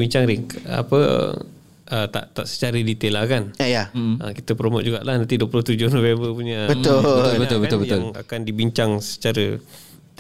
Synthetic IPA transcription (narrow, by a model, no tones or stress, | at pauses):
biɲt͡ʃaŋɾiŋa̰pə̰ | ət̪a̰ʔt̪aʔsə̥t͡ʃaɾədit̪elahkanajaə̰kit̪əpɾomot̪̚d͡ʒuɡaʔlahnãnt̪iduəploht̪ud͡ʒʊhnovebəpuɲəbət̪ʊbət̪ʊlbət̪ʊlbəjt̪ʊlŋa̰kandibiɲt͡ʃaŋsə̥t͡ʃaɾə | t̪